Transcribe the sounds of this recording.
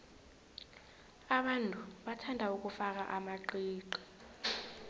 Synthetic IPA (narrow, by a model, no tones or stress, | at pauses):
aɓantʼuɓatʰandʱauk̬ʼufak̬a̰ʔamaǃiːǃɔ̥